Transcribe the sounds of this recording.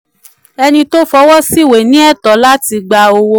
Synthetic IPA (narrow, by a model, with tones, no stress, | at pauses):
ɛ˧nĩ˧to˦fɔ˧˦wɔ˦si˦˨we˨nĩ˦ɛ˦˨tɔ˨˦la˦ti˧ɡ͡ba˧o˧wo˧